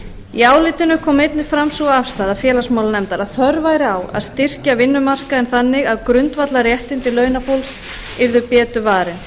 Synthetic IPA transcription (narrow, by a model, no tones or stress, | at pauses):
iaːwlɪt̪ɪnʏkʰɔːmɪjt̪nɪfɾamsuaafst̪aːðafjɛːlasmawlanɛmt̪aɾaðθœɾvaːjɾɪaːwa̰ðst̪ɪr̥cavɪnːʏmar̥kaɛnθanːɪɣaðkɾʏnt̪vat̪larjɛht̪ɪnt̪ɪlœːɥnafowls | ɪɾðʏpjɛːt̪ʏvaːɾɪn